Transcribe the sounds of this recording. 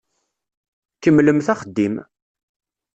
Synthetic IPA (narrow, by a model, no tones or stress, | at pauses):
kːəmːləmθæχəd̪ːim